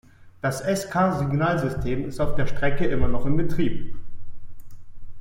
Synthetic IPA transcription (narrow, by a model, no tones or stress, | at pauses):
d̥asʔɛskʰaːzɪɡnaːlzʏstʰeːmɪstaʊfd̥eːɐʃtʁ̥ɛkəʔɪmɐnɔχɪmbətʁ̥iːp̚